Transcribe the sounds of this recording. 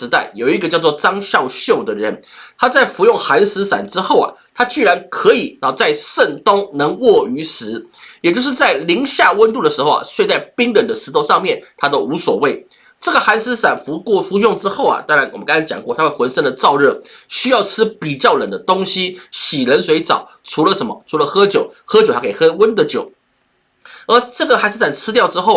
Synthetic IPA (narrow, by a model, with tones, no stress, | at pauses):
ɻ̩˧˥t̪a˥˩ɪjo˨˩ʊi˧˥ɡə˧t͡ɕjɑ˥˧ʊt͡swɔ˥˩ʈ͡ʂɑ˥ŋɕjɑ˥˧ʊɕjo˥˩ʊd̪ə˩ɻə˧˦nt̪ʰa˥t͡sa˥˩ɪfu˧˥jʊ˥˩ŋxa˧˥nsɹ̩˧˥sa̰˨˩nʈ͡ʂɻ̩˥xo˥˩ʊɐ̰˨˩t̪ʰa˥t͡ɕy˥˩ɻa˧˥nkʰɤ˧˥i˨˩nɑ˧˥˩t͡sa˥˧ɪʂə˥˩nt̪ʊ˥ŋnɤ˧˥ŋwɔ˥˩y˧˥s̩˧˥jɛ˨˩t͡ɕo˥˧ʊʂɻ̩˥˧t͡sa˥˩ɪli˧˥ŋɕja˥˧wə˥nt̪u˥˩d̪ə˩ʂɻ̩˧˥xo˥˧ʊa̰˩swe˥˧t͡sa˥˩ɪpi˥ŋɻə˨˩nd̪ə˦ʂ̩˧˥t̪ʰo˥˧ʊʂɑ˥˧ŋmjɛ˥˨˩nt̪ʰa˥t̪o˥ʊu˧˥swɔ˨˩we˥˩ɪ | ʈ͡ʂɤ˥˩ɡə˩xa˧˥ns̩˥sa˨˩nfu˧˥kɔ˥˧fu˧˥ɕʊ˥˧ŋʈ͡ʂɻ̩˥xo˥˩ʊɐ̰˩t̪a˥ŋɻa˧˥ɪwɔ˨˩mə˦kɑ˥ŋa˧˥t͡ɕjɑ̰˨˩ŋkwɔ˥˩t̪ʰa˥xwwə˧˥nʂə˥˩nd̪ə˩t͡sɑ˥˧ʊɻɤ˥˩ɕy˥jɑ˥˩ʊʈ͡ʂʰɻ̩˥pi˨˩t͡ɕjɑ˥˩ʊɻə˨˩nd̪ə˦t̪ʊ˥ŋɕi˥ɕi˨˩lə˧˥nswe˧˥ɪt͡sɑ˨˩˦ʊ | ʈ͡ʂʰu˧˥lə˧ʂə˧˥nmə˧ʈ͡ʂʰu˧˥lə˧xɤ˥t͡ɕjo˨˩˦ʊxɤ˥t͡ɕo˨˩ta˥ke˨˩xɤ˥wə˥nd̪ə˨t͡ɕjo˨˩˦ʊ | ə˧˥ʈ͡ʂɤ˥˩ɡə˩xa˧˥ɪʂɻ̩˥˩a˥˨˩nt͡sʰɻ̩˥t̪jʊʈ͡ʂɻ̩˥xo˥˩ʊ